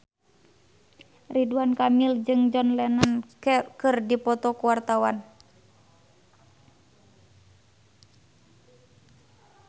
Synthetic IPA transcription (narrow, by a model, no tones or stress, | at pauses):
riduankamild͡ʒɨŋd͡ʒɔnlɛnənkɨrdipɔt̪ɔkuwart̪awan